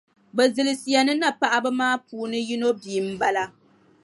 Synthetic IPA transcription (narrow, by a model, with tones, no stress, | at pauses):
bɛ˨zɨ˨lɨ˨si˨ja˨nɨ˦na˦pa˨ʔa˦bɨ˦maː˦puː˨nɨ˦ji˦no˦biː˨m̩˦ba˦la˦